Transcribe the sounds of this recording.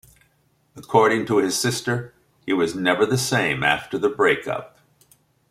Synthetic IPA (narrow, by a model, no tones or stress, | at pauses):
əkʰɔɹɾɪ̃ŋtʰəɪz̥sɪstə˞ | iwʌznɛvə˞ðɨsẽɪ̃mæ̰ftə˞ðəbɹeɪkʌ̰p̚